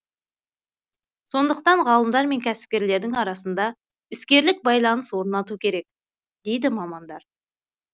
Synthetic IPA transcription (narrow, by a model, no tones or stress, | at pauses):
so̞nd̪əqt̪ɑɴʁɑlˠəmd̪ɑɾme̞ŋkʲʰæsɪ̥p̚kʲe̞ɾle̞ɾd̪ɪŋɑɾɑsənd̪ɑ | ɪskʲe̞ɾlɪk̚bɑjlˠɑnəswo̞ɾnɑt̪ukʲʰe̞ɾe̞k̚ | d̪e̞jd̪ɪmɑmɑnd̪ɑɾ